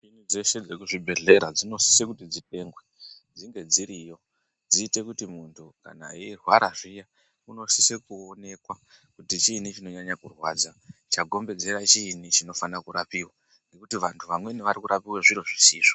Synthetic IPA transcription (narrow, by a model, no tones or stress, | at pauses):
ʐinud͡ze̞ʃe̞d͡ze̞kuʐibʱe̞ɮe̞ɾad͡zino̞si̥sekutid͡zite̞ːŋɡwe̞ | d͡ziŋɡe̞d͡ziɾijo̞ | d͡ziːte̞kutimuntʰuka̰na̰iːrwaɾaʐija | uno̞sise̞kuone̞kwa | kutit͡ʃinit͡ʃino̞ɲaɲakurwaːd͡zat͡ʃaɡʱo̞mbe̞d͡ze̞ɾat͡ʃinit͡ʃino̞fanakuɾapiwa | ŋɡe̞kutiʋantʰuʋamwe̞niʋaɾikuɾapiweʐiɾoʐisiːʐo̥